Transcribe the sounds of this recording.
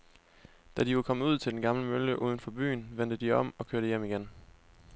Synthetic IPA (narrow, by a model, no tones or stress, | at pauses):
d̥æd̥iʋɑkʰɒ̽məuð̞̰ˠt͡sʰe̝ldenɡ̥ɑ̈mləmøləʔuːð̞ˠən̩fɒ̽b̥y̰ːnʋen̰d̥əd̥iɒ̽m̰ɒ̽kʰøɐɾəjem̰iɡ̥en